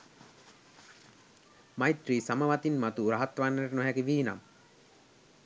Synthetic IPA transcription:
majt̪risaməʋat̪inmat̪uɾaɦat̪ʋanːʈnoɦæɡiʋiːna̰m

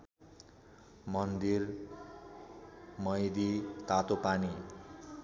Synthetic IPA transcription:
mʌnd̪ir | mʌjd̪it̪at̪opani

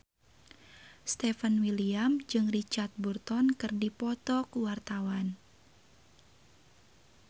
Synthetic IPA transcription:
st̪ɛfənwiliamd͡ʒɨŋrit͡ʃart̪̚burt̪ɔnkɨrdipɔt̪ɔkuwart̪awan

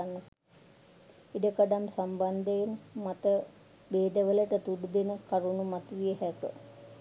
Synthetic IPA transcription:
anːə | iɖəkaɖamsamband̪enmat̪ə | beːd̪əʋələʈət̪uɖud̪enəkaɾunumat̪uʋijəɦɛkə̰

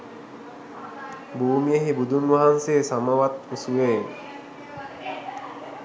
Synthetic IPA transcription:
buːmijəɦibud̪ʱunɡʋaɦanseːsamaʋat̪usueː

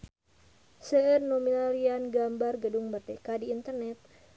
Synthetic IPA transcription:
səərnominalianɡambarɡəduŋmərdekadiːnt̪ərnɛt̪̚

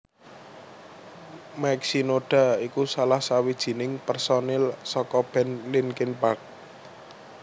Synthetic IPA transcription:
maksinoɖ̥a̤ikusalahsawid̥ʒ̥i̤nɪŋpɛrsɔnɛlsɔkɔb̥ɛ̤nlinkinpark̚

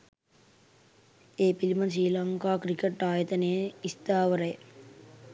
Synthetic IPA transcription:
eːpilimɐs̬iːlɐŋkaːkɾikeʈːaːjɐt̪ɐneist̪aːʋɐɾɐj

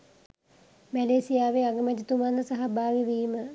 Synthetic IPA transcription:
mæleːsijaːʋeaɡəmɛt̪it̪umand̪əsaɦabaːɡiʋiːmə

